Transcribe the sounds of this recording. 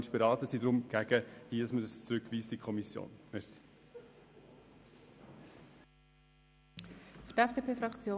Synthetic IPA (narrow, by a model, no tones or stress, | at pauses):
nʃb̥ɛɾɑːtəsidɾʊmɡ̥æɡəhiːdɑsmədəst͡sɾʏkʋiːstikʰɔmisjo̰ːnmɛsi̥ | ftɛfd̥eːpʰeːfɾɑkt͡sjoː